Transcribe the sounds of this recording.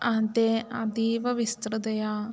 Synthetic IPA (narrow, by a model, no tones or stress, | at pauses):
ãd̪eːad̪iːʋəʋɪst̪ɾəd̪əjaː